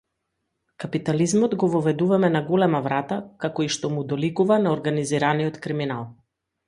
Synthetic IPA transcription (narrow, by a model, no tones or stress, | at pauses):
kapit̪alizmɔd̪ɡɔvɔvɛd̪uvamɛnaɡɔlɛmavɾat̪akakɔiʃt̪ɔmud̪ɔlikuvanaɔɾɡaniziɾaniɔt̪kɾiminalˠ